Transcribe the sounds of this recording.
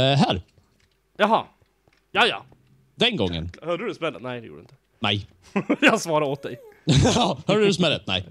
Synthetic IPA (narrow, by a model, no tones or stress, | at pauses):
ɦæɾ | jɑɦɑ | jɑjɑ̰ | d̪ɛnɡɔŋːə̰nhœːɖəɛsmɛlːənɛjd̪ɛjṵɖd̰ɪnt̪ə | nɛ̰j | jɑɡsvɑːɾaoːt̪̚d̪ɛjohœːɖəsmɛlət̪̚nɛ̰ɪ